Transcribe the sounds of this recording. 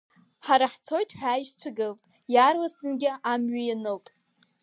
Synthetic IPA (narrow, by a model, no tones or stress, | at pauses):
ħaɾaħt͡sʰo̞jtʼħʷᶣaːjʒt͡sʷʰaɡɨltʼ | jarwasɨnɡʲɪʔamɥijanɨltʼ